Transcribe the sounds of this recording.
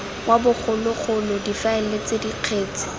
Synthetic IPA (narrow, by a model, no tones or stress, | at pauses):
wabʊk͡xʰʊlʊχʰʊlɔdifaɪlet͡sɪdiq͡χʰeːt͡sɪ̥